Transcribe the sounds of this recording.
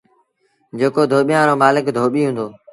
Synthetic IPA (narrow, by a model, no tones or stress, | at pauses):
d͡ʒeːkoːd̪ʱoːɓijãːɾoːmaːlɪkd̪ʱoːɓiːɦũːnd̪oː